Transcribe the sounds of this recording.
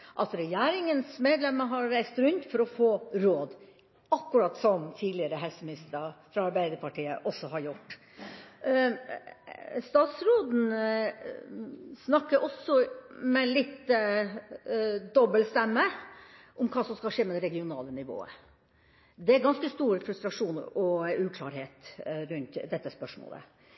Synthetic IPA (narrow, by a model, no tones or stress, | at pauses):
ʔɑt̪ɾɛjæːɾɪŋənsmeːd̪lɛmːəɦɑɾːæɪst̪ɾʉnt̪fɔɾɔfoːɾoːd̪ | ɑkːʉɾɑːt̪sɔmt̪ʰiːd̪lɪəɾəɦɛlsəmɪnɪst̪əfɾɑɑɾbæɪd̪əɾpʰɑʈʰiːə̰ʔɔsːɔhɑɾjʊʈː | st̪ɑːt̪sɾoːd̪n̩ | snɑkːəɾʔɔsːɔmɛlɪt̪ː | d̪ɔbːəlst̪ɛmːə | ʔʊmkʰɑːsɔmskɑʂeːmɛd̪ɛɾɛɡɪʊnɑ̰ːlənɪʋo̰ːə̰ | d̪ɛæɾɡɑnskəst̪uːɾfɾʉst̪ɾɑʂuːn̰ɔʉːkʰlɑːɾheːt̪ɾʉnt̪d̪ɛt̪ːəspœʂmo̰ːlə̰